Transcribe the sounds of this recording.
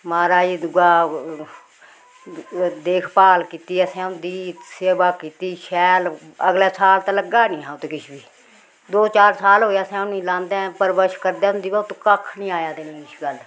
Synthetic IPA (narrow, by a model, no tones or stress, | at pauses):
maːɾaːiːd̪ʊɡaː | d̪eːkʰpaːlkiːt̪iːɛːsɛ̃ːʊ̃nd̪iːseːbaːkiːt̪iːʃʰɛːləɡlɛːsaːlt̪aːləɡaːnĩːɦãːt̪eːkɪʃʰbiː | d̪oːt͡ʃaːɾsaːlɦoːjaːsɛ̃ːʊnĩːlãːnd̪ɛ̃pəɾbəʃkəɾd̪eːɦʊ̃nd̪iːbaːt̪okəkʰnĩːaːjaːd̪eːnĩːɪʃɡəl